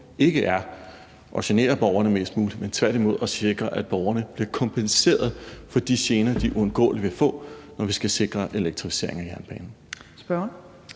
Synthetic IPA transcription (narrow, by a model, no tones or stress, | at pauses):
e̝ɡ̥əʔæɐ | ʔɒ̽ɕæne̝̰ːɐb̥ɒʊɐnəme̝̰ːsd̥muːli̥ment͡sʰʋæɐd̥imo̝ð̞̰ˠɒ̽se̝ɡ̥ʁɐʔæd̥̚b̥ɒʊɐnəb̥liɐkʰɒ̽mpʰense̝̰ːɐð̞̩ˠfɒ̽d̥iɕe̝ːnɐd̥iʔuɔ̽nɡ̥ɔ̰̽ːliʋe̝fɔ̰̽ːnɒʋisɡ̥æse̝ɡ̥ʁɐʔe̝leɡ̥̚t͡sʰʁifi̥se̝̰ɐ̰e̝ŋæjæɐnb̥ɛ̰ːnn̩sb̥ɶ